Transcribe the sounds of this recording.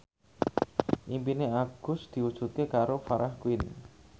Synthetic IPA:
ʔimpineaɡ̥ʊ̤sd̪̥i̤wud̥ʒ̥ṳt̪̚kekaɾofaɾʔahkwɪn

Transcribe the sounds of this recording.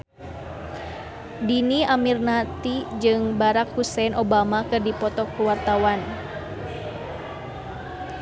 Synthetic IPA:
diniamirnat̪id͡ʒɨŋbaɾak̚husɛnʔobamakɨrdipɔt̪ɔkuwart̪awan

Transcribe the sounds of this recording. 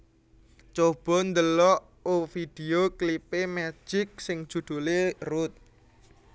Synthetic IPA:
t͡ʃob̥ɔ̤nd̪əlɔʔ | ofid̪̥eoklipemɛ̥d͡ʒ̥ɪk̚sɪŋ̥ʒ̥ṳd̪̥ṳlerʊt̪̚

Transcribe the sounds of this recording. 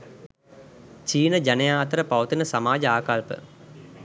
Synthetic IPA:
t͡ʃiːnəd͡ʒanejaːt̪əɾəpaʋɐt̪inəsamaːd͡ʒɐaːkalpə̰

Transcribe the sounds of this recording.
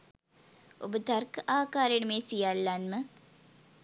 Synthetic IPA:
obət̪arkəʔaːkaːɾenəmeːsijalːanmə

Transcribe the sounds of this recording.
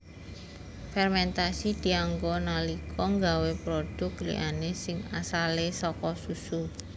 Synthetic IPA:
fɛrmɛnt̪asid̪̥i̤aŋɡɔnalikʰɔŋɡawepɾod̥ʊk̚lḭʔanesɪŋa̰salesɔkɔsusu

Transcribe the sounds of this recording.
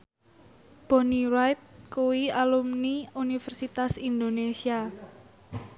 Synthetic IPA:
b̥o̤niɾajt̪̚kuwialumniunifərsit̪asind̪onesia

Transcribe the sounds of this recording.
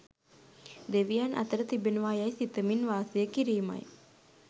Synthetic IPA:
d̪eʋijanʔɐ̰t̪əɾət̪ibenuʋajajsit̪əminʋaːsejəkiɾiːma̰j

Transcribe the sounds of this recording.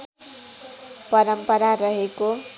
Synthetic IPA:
pʌɾʌmpʌɾarʌɦeko

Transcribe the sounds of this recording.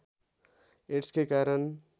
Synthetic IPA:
eʈskekaɾʌn

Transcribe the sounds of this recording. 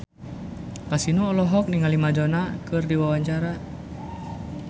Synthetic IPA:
kasinɔːlɔɦɔk̚niŋalimad͡ʒɔnakɨrdiwawaɲt͡ʃaɾa

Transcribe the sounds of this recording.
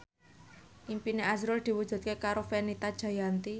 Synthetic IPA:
ʔimpineʔazɾʊld̪̥i̤wud̥ʒ̥ṳt̪̚kekaɾofenit̪ad̥ʒ̥a̤jant̪i

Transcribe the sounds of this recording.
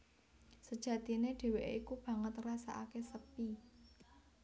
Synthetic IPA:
səd̥ʒ̥ä̤t̪i̤neɖ̥e̤weʔʔikub̥ä̤ŋət̪rasa̰ʔa̰kesəpi

